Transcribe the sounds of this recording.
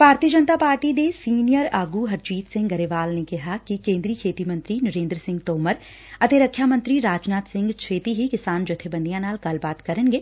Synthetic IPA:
bʱaːɾt̪ijəd͡ʒənt̪aːpaːɾʈid̪esiːnijəɾaːɡuɦɐɾt͡ʃiːt̪sɪ̃ŋɡɡɐɾeʋaːlnekɪɦakikẽːnd̪ɾiːkʰeːt̪imɐ̃nt̪ɾinɐɾẽːnd̪ɾəsɪ̃ŋɡt̪oːməɾ | ɐt̪eɾɐkʰːjaːmɐ̃nt̪ɾiɾaːd͡ʒnaːt̪sɪ̃ŋɡt͡ʃʰeːt̪iɦikɪsaːnd͡ʒʊt̪ʰːebə̃nd̪ijãnaːlkɐlbaːt̪kɐɾənɡeː

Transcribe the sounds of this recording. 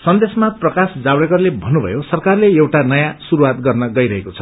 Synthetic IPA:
sʌnd̪esmaprʌkasd͡zawɽekʌrlebʱʌnːubʱʌ̰josʌrkarleewʈanʌjãsuɾuwat̪ɡʌrnʌɡʌjɾʌɦekot͡sʰʌ̥

